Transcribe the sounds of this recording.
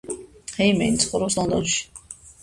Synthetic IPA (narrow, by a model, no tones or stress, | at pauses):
hɛjmɛ̰jnt̪sʰχɔɾɔslˠɔnd̪ɔnʃi̥